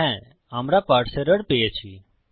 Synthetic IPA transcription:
ɛ̃ | amɾapaːɽseɾəɽpeet͡ʃʰi

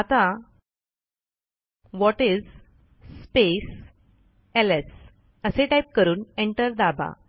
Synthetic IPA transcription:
at̪a | ʋɔʈid͡z | spes | eles | əseʈajp̚kəɾuːneɳʈəɾd̪abʱa̰

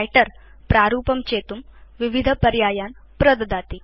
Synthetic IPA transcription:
jʈɐɾ | pɾaːɾuːpɐmt͡ʃeːt̪umʋiʋid̪ʱɐpɐɾjaːjaːn | pɾɐd̪ɐd̪aːt̪i

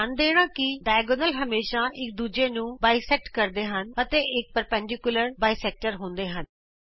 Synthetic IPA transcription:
and̪eːɽ̃ãːkɪɖaːɡonəlɦəmeːʃãːʔɪk̚d̪uːd͡ʒeːnũːbaːisɛʈkəɾd̪eːɦənət̪eːʔɪk̚pəɾpə̃ɳɖɪkʊləɾbaːisɛːk̚ʈəɾɦõːnd̪eːɦən

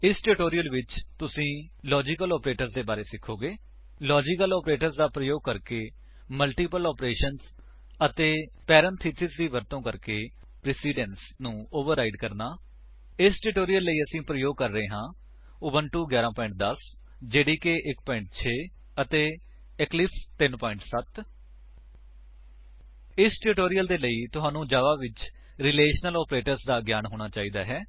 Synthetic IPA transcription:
ɪsʈuʈoːɾijəlʋɪt͡ʃt̪ʊsĩː | lɔːd͡ʒɪkəlɔːpɾeːʈəɾzd̪eːbaːɾeːsɪkʰːoːɡeː | lɔːd͡ʒɪkəlɔːpɾeːʈəɾzd̪aːpɾəjoːɡ̚kəɾkeː | məlʈiːpəlɔːpɾeːʃəns | ət̪eːpɛːɾənt̪ʰiːsʰɪzd̪iːʋəɾt̪õːkəɾkeː | pɾɪːsiːɖɛns | nũːoːʋəɾaːɪɖkəɾnaː | ɪsʈʊʈoːɾijəlːəiːəsĩːpɾəjoːɡ̚kəɾːəɦeːɦãː | oːbənʈuːɡjaːɾãːpɔːɪ̃ɳʈ̚d̪əs | d͡ʒeːɽiːkeːʔɪkpɔːɪ̃ɳʈ̚t͡ʃʰeː | ət̪eː | ɪklɪpt̪ɪnpɔːɪ̃ɳʈsət̪ | ɪsʈʊʈoːɾijəld̪eːləiːt̪ʊɦãːnũːd͡ʒaːʋaːʋɪt͡ʃ | ɾɪleːʃnəlɔːpɾeːʈəɾsd̪aːɡjaːnɦoːɽ̃aːt͡ʃaːiːd̪aːɦɛː

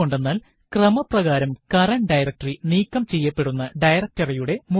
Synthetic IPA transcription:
oɳɖe̞nːaːl | krɐmɐprɐɣaːɾɐmkɐrɐnɖɐjrɐk̚ʈriniːkːɐmt͡ɕe̞jːɐpːe̞ɽunːɐɖɐjrɐk̚tɐrɐjuɽe̞mu

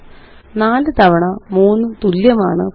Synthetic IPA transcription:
naːlɨt̪ɐʋɐɳɐmuːnːɨt̪uljɐma̰ːɳɨ̰

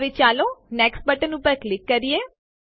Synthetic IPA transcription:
ʋet͡ʃaːloːnɛːksʈ̚bəʈənupəɾklɪkːəɾieː

